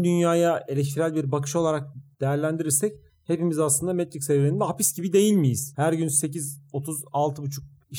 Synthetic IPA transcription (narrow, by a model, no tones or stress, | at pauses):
d̪ynjaːjae̞lʲɛc̬t̪ʰiɾælʲbiɾbakʰɯ̥ʃo̞lˠaɾak̚d̪̥e̞jæɾlʲænd̪iɾiɾsɛc | he̞pimizaslˠɯnd̪amet̪ɾicsevɾeind̪ɛɦapisɟibid̪e̞jilʲmijiz̥hæɾɟynse̞cizo̞t̪ʰuzalˠt̪ʰɯbut͡ʃʰuk̚ | i